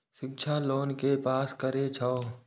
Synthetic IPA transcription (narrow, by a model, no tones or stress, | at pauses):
ʃɪk̚t͡ʃʰaːloːnkepaːskəɾet͡ʃʰao